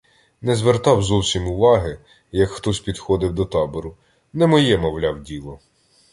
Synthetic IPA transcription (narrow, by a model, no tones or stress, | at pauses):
nɛzʋert̪ɑwzɔwsʲimʊʋɑɦɪ | jɐkxt̪ɔsʲpʲid̪xɔd̪ɪwd̪ɔt̪ɑbɔɾʊ | nɛmɔjɛmɔwlʲɑwdʲilˠɔ